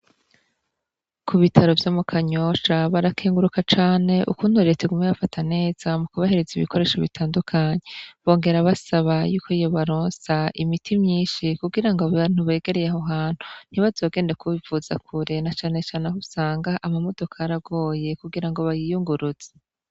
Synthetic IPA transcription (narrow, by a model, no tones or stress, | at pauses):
kʰuβitʰaɾo̞vjomukʰaɲo̞ʃaβaɾakʰeːŋɡuɾukat͡ʃaːne̞ʔṵkuːnhuɾetʰeɡumeβafatʰane̞ːz̥amukuβahe̞ɾeziβḭkʰo̞ɾe̞ːʃoβitʰaːndukʰaɲe̞βo̞ːŋɡe̞ɾaβasaβajuːkʰo̞ijo̞βaɾoːnsaimitʰimɲiːnʃikuɡiɾaŋɡoβaɾin̥uβe̞ːɡe̞ɾe̞jaɦoɦaːn̥hun̥iβazoːɡe̞ːndakʰuβivuza̰kʰuɾenat͡ʃaːne̞t͡ʃaːneɦusaːŋɡaʔamamo̞do̞kʰaaɾaɡo̞ːje̞kuɡiɾaŋɡo̞βajijuŋɡuɾuz̥e̥